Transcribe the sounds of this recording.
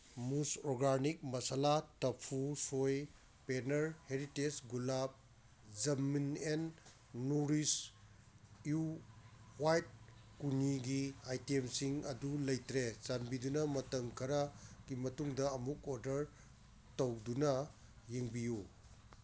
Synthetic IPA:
musɾoɡanik̚mɐsalatɐpʰusoj | penɐɾheɾitesɡulab̚ | zɐminenː | uɾis | ju | wajt̚ | kuniɡiajtemsiŋɐdulɐjtɾesanbidunɐmɐtɐmkʰɐɾɐɡimɐtuŋdɐːmukoɾdɐɾ | tɐwdunɐ | jeŋbiju

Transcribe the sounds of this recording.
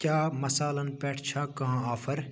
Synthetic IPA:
kjaːmɐsaːlɐnpɛːʈʰt͡ʃʰaːkɐɦãaːfʰɐɾ

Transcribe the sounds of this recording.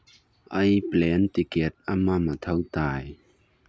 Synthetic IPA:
ʔɐjplɛnt̪ikɛt̪̚ʔɐmɐmɐt̪ʰɐwt̪aːj

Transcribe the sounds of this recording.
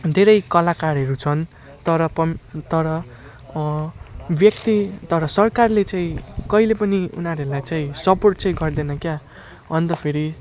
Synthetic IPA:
d̪ʱeɾʌjkʌlakaɾɦʌɾut͡sʰʌn | t̪ʌɾʌpʌt̪ʌɾʌ | bjʌkt̪it̪ʌɾʌsʌrkarlet͡sãĩkʌilepʌniṵnaɾeɾulajt͡saĩsʌporʈt͡saĩɡʌrd̪enʌkja | ʌnt̪ʌpʰeɾi

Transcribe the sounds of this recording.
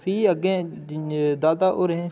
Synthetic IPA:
fiːəɡẽː | d̪aːd̪aːʔoːɾẽː

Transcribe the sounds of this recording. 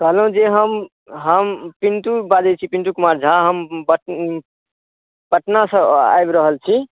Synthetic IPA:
kəɦləɦũd͡ʒeɦəm | ɦəmpinʈ̪ubad͡ʒet͡ʃʰipinʈ̪ukumaɾd͡ʒʱaɦəmbə | bəʈnasə̃a̰jbɾəɦəlt͡ʃʰi

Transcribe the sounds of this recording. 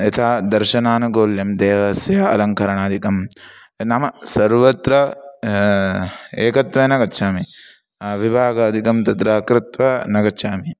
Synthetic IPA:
ɐt̪ʰaːd̪ɐɾʃɐnaːnɐɡoːljɐmd̪eːʋɐsjɐɐ̰lɐŋkʰɐɾɐɳaːd̪ʱikɐm | nɐmɐsɐɾʋɐt̪ɾɐ | eːkɐt̪ʋɐnɐɡɐtːʃʰaːmi | ʋibʱaːɡɐɐd̪ʱikɐmt̪ɐt̪ɾaːkɾɪt̪ʋɐnɐɡɐtːʃʰaːmi

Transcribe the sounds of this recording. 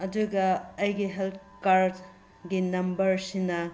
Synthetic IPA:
ɐduɡɐːjɡiɦelt | kaɾd | ɡinɐmbɐɾsinɐ

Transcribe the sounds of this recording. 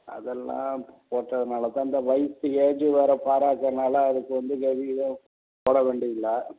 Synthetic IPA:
ɐ̰ðɛlːã̰ːpoːʈrɐðɯnaːlɐt̪ãːɪnd̪ɐʋɐjsɯeːd͡ʒrɯʋɐɾɐpaːɾaːkːɾɐnaːlɐːðɯkːɯʋɐnd̪ɯɡɐʋiɪðɐ̃ | poːɽɐʋeːɳɖɪjɯlaː

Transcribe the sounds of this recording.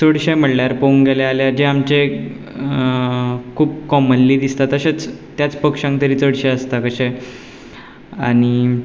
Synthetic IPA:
t͡səɽɕẽm̤əɽljaɾpəuŋɡelealad͡ʑeamt͡ɕe | kʰuːb̚kɔmənliːd̪ist̪at̪əɕet͡st̪jat͡spəkʂãŋk̚t̪əɾiːt͡səɽɕẽəst̪akəɕe | aɽ̃i

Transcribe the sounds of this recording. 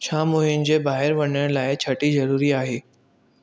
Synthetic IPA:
ʃaːmuːɦjʊnɪ̆d͡ʑeːbaːɦɪɾʋɐɲəɽ̃laːɪt͡ɕʰɐʈizɐɾuːɾiaːɦeː

